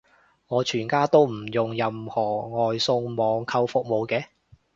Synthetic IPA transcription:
ŋɔː˨˧t͡ʃʰyː˨˩nkaː˥t̪o˥wm̩˨˩jʊ˨ŋjɐ˨˧mhɔː˨˩ŋɔː˨jsʊ˧ŋmɔː˨˧ŋkʰɐ˧wfʊ˨k̚mo˨˧wkɛː˧

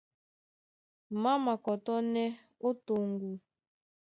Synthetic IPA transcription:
ma˦ma˨kɔ˨tɔ˦nɛ˦ | o˦to˨ŋɡu˨

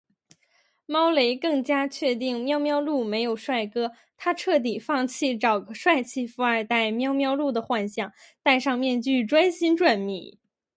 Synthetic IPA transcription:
mɑ˥ʊle˧˥ɪkɤ˥˩ŋt͡ɕja˥t͡ɕʰɥɛ˥˧t̪̬i˥˩ŋmjɑ˥ʊmjɑ˥ʊlu˥˩me˧˥ɪjo˨˩ʊʂwa˥˩ɪkɤ˥ | t̪ʰa˥ʈ͡ʂʰɤ˥˩t̪̬i˨˩fɑ˥˧ŋt͡ɕʰi˥˩ʈ͡ʂɑ˨˩ʊkə˧˩ʂwa˥˧ɪt͡ɕʰi˥˩fu˧˥ə˞˨˩t̪a˥˩ɪmjɑ˥ʊmjɑ˥ʊlu˥˩d̪ə˩xwa˥˧nɕjɑ˥˩ŋ | t̪a˥˧ɪʂɑ˥˧ŋmjɛ˥˧nt͡ɕy˥˩ʈ͡ʂwa˥nɕi˥nʈ͡ʂwa˥˩nmḭ˨˩˦

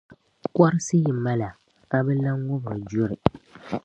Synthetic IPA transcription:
kɔ˦ɾɨ˦sɨ˦ji˨ma˦la˨ | ka˦bɛ˦la˦ŋʊ˦ba˨d͡ʒʊ˦ɾɨ˨

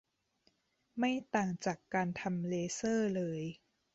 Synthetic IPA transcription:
ma˥˩jt̪aː˨˩ŋt͡ɕaː˨˩kːaː˧nt̪ʰa˧mleː˧sɤː˥˩lɤː˧j

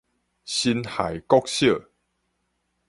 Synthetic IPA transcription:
ɕi˧nha̰˨jkɔ˦k̚ɕjə˥˨

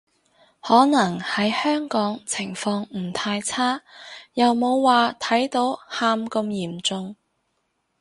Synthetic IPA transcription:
hɔː˨˥nɐ˨˩ŋhɐ˨˥jhœː˥ŋkɔː˨˥ŋt͡sʰɪ˨˩ŋfɔː˧ŋm̩˨˩t̪ʰaː˧jt͡sʰaː˥jɐ˨wmo˨˧wːaː˨t̪ʰɐ˨˥jt̪o˨˥whaː˧mkɐ˧mjiː˨˩mt͡sʊ˧ŋ

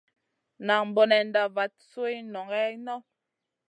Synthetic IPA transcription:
na˨ŋm̩˨bɔ˨nɛ˨n˦da˨va˨˦t̚su˦e˦nɔ˨ŋɡɛ˦nɔ˦

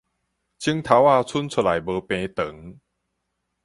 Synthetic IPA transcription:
t͡ɕʰi˦ŋt̪ʰa˨˦wa˥˧t͡sʰu˦˥nt͡sʰu˨˧˩la˨˩jbəː˨˧˦pẽ˧t̪ə˨˦ŋ

